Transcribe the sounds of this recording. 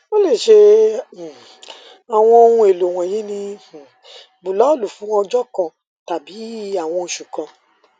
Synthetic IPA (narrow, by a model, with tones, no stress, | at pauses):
o˦le˦˨ʃe˧˨ | a˨w̃ɔ̃˧o˧hũ˧e˨lo˨w̃ɔ̃˨jĩ˨˦nĩ˧˨ | bu˨lɔ˨˦˨lu˨fũ˨˦wɔ̃˧d͡ʒɔ˦kɔ̃˨ | ta˨bi˨˦a˦˨w̃ɔ̃˧ʃu˨kã˨